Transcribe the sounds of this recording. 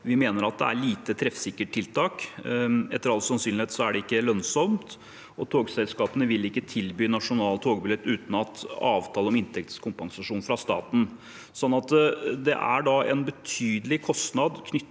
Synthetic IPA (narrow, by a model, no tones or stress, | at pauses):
ʋɪmeːnəɾɑt̪̚d̪ɛ̰æ̰ɭiːt̪ət̪ʰɾɛfsɪkːəʈʈʰːɪlt̪ʰɑːk | ɛt̪ːəɾɑlt̪sɑnsyːnlɪheːt̪sɔæɖɛɪkːəlœnsɔmt̪ | ɔt̪ʰoːɡsɛlskɑːpənəʋɪlɪkːət̪ʰɪlbyːnɑʂʊnɑːlt̪ʰoːɡbɪlɛt̪ːʉːt̪n̩ɑt̪ɑːʋt̪ʰɑːləɔmɪnt̪ʰɛk̚t̪skʰʊmpɑŋsɑʂuːnfɾɑst̪ɑ̰ːt̪n̩ | sɔnːɑt̪d̪ɛ̰ʔæ̰ɖɑɛ̰nbət̪ʰyːd̪əlɪkʰɔst̪nɑd̪kʰnʏ